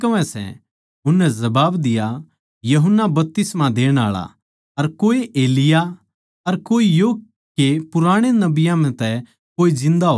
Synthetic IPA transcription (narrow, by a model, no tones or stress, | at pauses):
kɐʋɛ̃sɛ̰ | ʊnːɛzɐbaːbd̪ɪja | jɐɦʊnːabɐp̚t̪ɪsmãd̪eːɽ̃a̰ːɭa̰ | ɐɾkoːeʔeːlɪja | ɐɾkoːijoː | epʊɾaːɽ̃enɐbɪjãmɛ̃t̪ɛ | koːid͡ʒɪ̃nd̪aɦo